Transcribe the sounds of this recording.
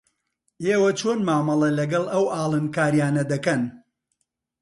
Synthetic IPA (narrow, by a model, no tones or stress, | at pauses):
ʔeːwɐt͡ʃʰoːnmaːmɐlˠɐlɐɡɐlˠɐwʔaːlˠɨnkaːɾijaːnɐd̪ɐkɐn